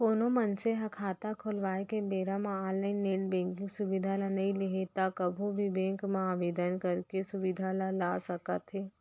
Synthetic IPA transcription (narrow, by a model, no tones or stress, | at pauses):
koːnomɐnseɦɐkʰaːt̪akʰoːlʋaːekebeːɾãmãɔːlaːɪnːeːʈbɛ̃ːŋkɪ̃ŋɡsʊʋɪd̪ʱalanɐɦĩleɦet̪akɐbʱubʱibɛ̃ːŋkmãaːʋeːd̪ənkɐɾkesʊʋɪd̪ʱalãlaːsɐkət̪ɦeː